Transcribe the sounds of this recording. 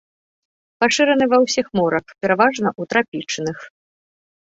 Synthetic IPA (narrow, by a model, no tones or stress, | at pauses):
paʂɨɾɐnɨvɐwsʲixmɔɾɐxpʲɛɾavaʐnɐʔut̪ɾapʲit͡ʂnɨx